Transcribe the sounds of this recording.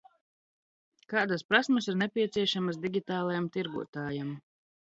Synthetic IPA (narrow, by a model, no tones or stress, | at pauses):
kaːd̪aspɾasmasiɾnɛpʲiɛt̪siɛʃamasd̪iɡʲit̪aːlˠajamt̪iɾɡṵɔt̪aːjam